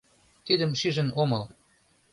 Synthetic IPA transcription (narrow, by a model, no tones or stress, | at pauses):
t̪id̪əmʃyʒə̆nomɤl